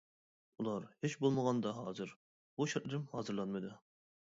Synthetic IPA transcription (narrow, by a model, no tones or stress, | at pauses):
ulˠɑɾhet͡ʃbolˠməʁɑnd̪ɑɦɑːzɨɾ | b̥uʃɛɾt̪lɨɾɪmhɑːzɨɾlˠɑnmɨd̪ɨ